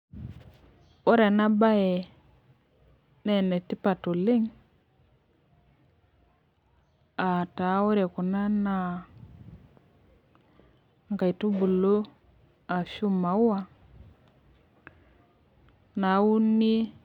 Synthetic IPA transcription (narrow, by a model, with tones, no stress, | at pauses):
o˦ɾɛ˨na˦ba˦ɛ˨ | nɛ˦˨nɛ˨ti˦pa˨to˨lɪ˦ŋ | a˨ta˨˦o˦ɾe˨ku˨na˦na˦˨ | ŋka˨i˨tu˦bu˨lo˦ | a˨ʃu˦ma˨˦u˦a˦˨ | na˨˦u˦ni˦